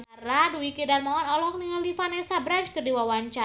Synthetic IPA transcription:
baraduikidarmaɔnɔlɔk̚niŋalifanɛsabɾant͡ʃkərdiwawaɲt͡ʃa

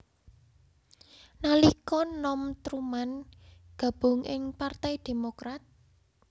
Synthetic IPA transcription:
nalikɔnɔmt̪ɾumanɡ̥ä̤b̥ʊ̤ŋʔɪŋpart̪ɛjd̪̥e̤mokɾat̪̚

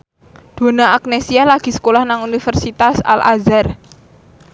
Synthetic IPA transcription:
d̪̥o̤naak̚nesialaɡ̥i̤sə̥kolahnaŋunifərsit̪asa̰lʔa̰zar

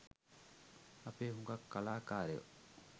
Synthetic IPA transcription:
ɐpeːɦuŋɡɐkːɐlaːkaːɾeo̰

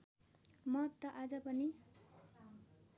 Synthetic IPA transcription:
mʌt̪ʌʔad͡zʌpʌni

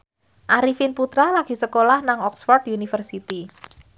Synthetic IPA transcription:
ʔaɾifɪnput̪ɾalaɡ̥i̤səkolahnaŋɔksfɔrd̪unifərsit̪i

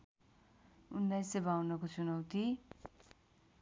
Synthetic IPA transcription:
unːajsebawnʌkot͡sunʌwt̪i

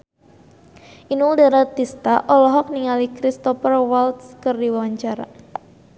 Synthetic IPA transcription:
ʔinuldaɾat̪ist̪aʔɔlɔɦɔk̚niŋalikɾist̪ɔfərwalt̪skərdiwawaɲt͡ʃaɾa̰

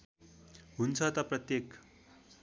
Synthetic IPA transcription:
ɦunt͡sʰat̪apɾət̪jek

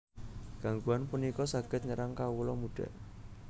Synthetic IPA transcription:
ɡ̥a̤ŋɡuanpunikɔsaɡ̥ɪt̪̚ɲəɾaŋkawulɔmuɖ̥a̤̰ʔ

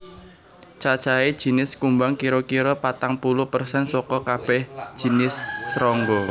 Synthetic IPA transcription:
t͡ʃat͡ʃaed̥ʒ̥i̤nɪskumbaŋkiɾokiɾɔpat̪aŋpulʊhpərsɛnsɔkɔkab̥ɛhd̥ʒ̥i̤nɪsːɾɔŋɡɔ

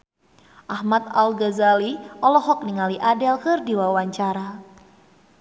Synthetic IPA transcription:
ʔahmat̪̚alɡazaliʔɔlɔɦɔk̚niŋaliʔadɛlkɨrdiwawaɲt͡ʃaɾa

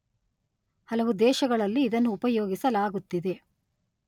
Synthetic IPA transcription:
hɐlɐʋud̪ɛːʃɐɡɐɭɐlːiːd̪ɐnːuːpɐjoːɡisɐlaːɡut̪ːid̪e̞

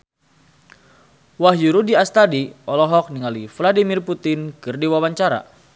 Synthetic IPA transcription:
waɦjuɾudiast̪adiɔlɔɦɔk̚niŋalifladimirput̪ɪnkɨrdiwawaɲt͡ʃaɾa̰

